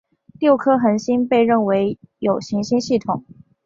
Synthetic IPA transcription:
t̪jo˥˩ʊkʰɤ˥xə˧˥nɕi˥npe˥˧ɪɻə˥˩nwe˧˥ɪjo˨˩ʊɕi˧˥ŋɕi˥nɕi˥˩t̪ʰʊ˨˩˦ŋ

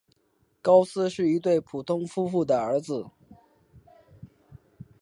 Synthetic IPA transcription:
kɑ˥ʊsɹ̩˥ʂɻ̩˥˩i˧˥t̪we˥˩ɪpʰu˨˩t̪ʰʊ˥ŋfu˥fu˥˩d̪ə˩ə˞˧˥d͡zɹ̩˧˩

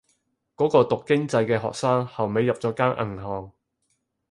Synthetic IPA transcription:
kɔː˨˥kɔː˧t̪ʊ˨kːɪ˥ŋt͡sɐ˧jkɛː˧ɦɔ̰ː˨k̚saː˥ŋhɐ˨wme˨˧jːɐ˨p̚t͡sɔː˨˥kaː˥nʔɐ̰˨˩ŋɦɔː˨ŋ

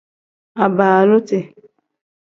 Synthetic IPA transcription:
a˨ba˨a˨lʊ˦te˨

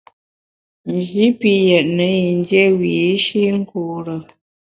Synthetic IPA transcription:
n˨d͡ʒi˨˦pi˦jɛ˨t̚nə˨˦ji˨n˦djɛ˦wiː˨˦ʃi˦ŋ̩˦ku˨ɾə˨

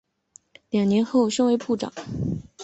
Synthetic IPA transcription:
ljɑ˨˩ŋnjɛ˧˥nxo˥˩ʊɕŋwe˧˥ɪpʰu˥˩ʈ͡ʂɑ̰˨˩˦ŋ

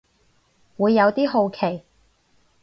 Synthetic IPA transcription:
wuː˨˧jːɐ˨˧wt̪iː˥ɦo˧wkʰe˨˩j

